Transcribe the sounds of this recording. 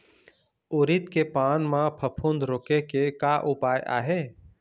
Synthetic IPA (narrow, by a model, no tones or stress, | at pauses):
oːɾɪt̪kepaːnmãpʰəpʰũnd̪ɾoːkekekaʔʊpaːjʔa̰ːɦeː